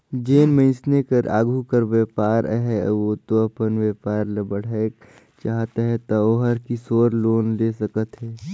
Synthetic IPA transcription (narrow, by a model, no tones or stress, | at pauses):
d͡ʒeːnmə̃ɪ̃snekəɾʔa̰ːɡʱukəɾweːpaːɾɦɛot̪oɐpənʋeːpaːɾləbəɽ̤ae | t͡ʃaːɦt̪aɦɛt̪aoːɦəɾkisoːɾloːnleːsəkət̪ɦɛː